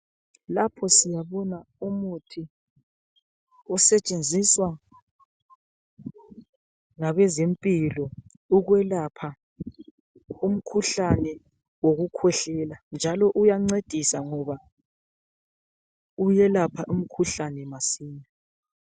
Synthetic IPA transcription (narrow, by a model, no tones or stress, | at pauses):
lapʰɔsijaβɔnaumutʰi | ɔsɛt͡ʃʼend͡zʱiswa | ŋaβɛzempʼilɔ | uɣwɛlapʰa | um̩kʰuɬanɛ | woɣukʰwɛɬɛland͡ʒʱalɔʔujaŋ͡ǀed̥ʱisaŋɔβa | ujɛlapʰaʔum̩kʰuɬanɛmasiːɲa